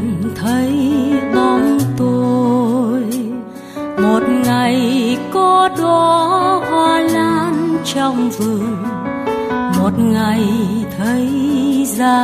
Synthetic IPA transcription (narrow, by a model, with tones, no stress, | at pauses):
t̪ʰə˨˦jɓɔ˧nt̪o˧ | j | mo˨˩t̚ŋa˨˩jkɔ˧˦ɗɔ˧˩haː˧˩laː˧˦nt͡ɕɔ˧wŋ͡mvɨ˧˩əŋ | mo˨˩t̚ŋa˨˩jt̪ʰə˨˦jzaː˧